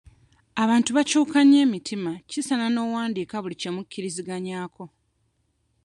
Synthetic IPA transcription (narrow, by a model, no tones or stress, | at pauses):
aβaːntuβacuːkaɲe̞ːmitʰimacisanano̞ːwaːndiːkaβulice̞mucʰːiɾiziɡaɲaːkʰo̞